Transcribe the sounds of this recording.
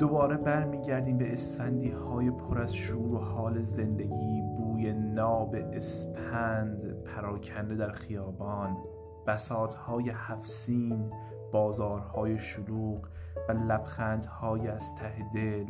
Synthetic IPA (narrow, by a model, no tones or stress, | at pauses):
d̪̥obɒːɾe̞bæɾmiːɟæɾd̪iːmbeːsfænd̪iːhɒːjepʰoɾæzʃuːɾohɒːleze̞nd̪eɟiːbuːjenɒːbeʔespʰænd̪pʰæɾɒːcʰænd̪ed̪æɾxijɒːbɒːn | b̥æsɒːt̪ʰhɒːjehæfsiːn | b̥ɒːzɒːɾhɒːjeʃoluːɢ | vælæbxæːnd̪hɒːjeæz̥t̪ʰæhed̪el